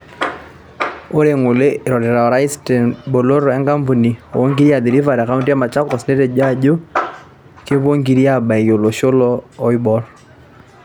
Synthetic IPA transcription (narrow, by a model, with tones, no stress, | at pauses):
o˦ɾe˨ŋʊ˨le˦˨ɾɔ˨dɛ˨ɾa˨ɔ˨ɾa˦ɪ˦stɛ˨nbo˨lo˦ɾɔɛ˦ŋka˦mpu˨ni˨o̰˨wo˦ŋɡi˦ɾi˦a˨di˨ɾi˦fa˨ɾa˨ka˦u˦nti˦a˦ma˨t͡ʃa˦kɔ˨sne˦tɛ˨d͡ʒa˦˨d͡ʒo˦ | kɪ˦βo˦ŋɡi˦ɾja˦ba˨i˨jo˨lo˨ʃo˦lɔː˦ɪ˦bɔ˦r